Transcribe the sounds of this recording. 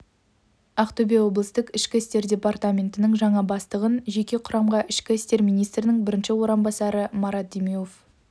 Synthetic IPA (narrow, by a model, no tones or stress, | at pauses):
ɑqt̪ɵbewo̞blˠəst̪əqɪʃkʲɪɪst̪e̞ɾd̪ʲe̞part̪amʲe̞nt̪ɪnɪŋʒɑɴɑbɑst̪əʁənʒe̞kʲe̞qʰʊɾɑmʁɑʔɪʃkʲɪɪst̪e̞ɾmʲijnijst̪ɾɪnɪŋbɪɾɪnʃɪwo̞ɾɑmbɑsɑɾəmɑɾɑt̪̚d̪emiof